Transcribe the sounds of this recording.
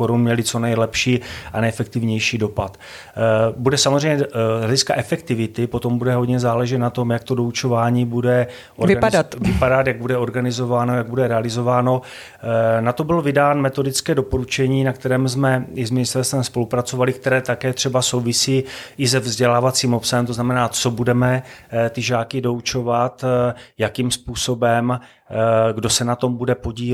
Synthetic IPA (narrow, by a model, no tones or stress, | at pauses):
oɾunmɲɛlɪt͡so̞nɛjlɛpʃiːʔanɛjɛfɛk̚t̪ɪvɲɛjʃiːdo̞pat̪ | budɛsamozrɛjɲɛɦlɛɟɪskaʔɛfɛkt̪ɪvɪt̪ɪpo̞t̪o̞mbudɛɦo̞d̪ɲɛzaːlɛʒɛt̪nat̪o̞mjak̚t̪odo̞ut͡ʃo̞vaːɲiːbudɛ | ʔoɪadatvɪpadat̪jaɡ̚budɛo̞ɾɡanɪzo̞vaːnojaɡ̚budɛɾɛalɪzo̞vaːno̞ | nat̪obɪlvɪdaːnmɛt̪o̞dɪt͡skɛːdopo̞ɾut͡ʃɛɲiːnak̚t̪ɛɾɛːmzmɛɪzmɪnɪst̪ɛlst̪vɛmspo̞lupɾat͡so̞valɪkt̪ɛɾɛːt̪akɛːt̪r̥ɛbaso̞wvɪsiːʔɪzɛvzɟɛlaːvat͡siːmo̞psaɦɛmt̪o̞znamɛnaːt͡so̞budɛmɛt̪ɪʒaːkɪdo̞ut͡ʃo̞vat̪jakiːmspuːso̞bɛm | ɡdo̞sɛnat̪o̞mbudɛpo̞ɟiː